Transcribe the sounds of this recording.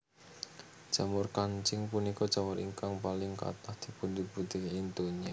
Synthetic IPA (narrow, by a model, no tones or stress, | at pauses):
d̥ʒ̥a̤mʊrkaɲt͡ʃɪŋpunikɔd̥ʒ̥a̤mʊɾʔḭŋkaŋpalɪŋka̰t̪ɔsd̪̥i̤pʊnd̪ibut̪iɦint̪oɲe